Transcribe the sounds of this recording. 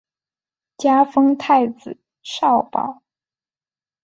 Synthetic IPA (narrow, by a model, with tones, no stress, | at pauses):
t͡ɕja˥fɤ˥ŋt̪ʰa˥˧ɪt͡sɹ̩˨˩˦ | ʂɑ˥˩ʊpɑ̰˨˩˦ʊ